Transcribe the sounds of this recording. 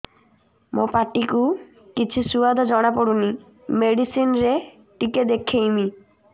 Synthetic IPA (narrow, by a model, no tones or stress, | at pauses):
mo̰paʈːiku | kit͡ɕʰusuad̪ʱad͡ʑɔɽ̃apoɽuni | meɖisinɾe | ʈiked̪ekʰːejmi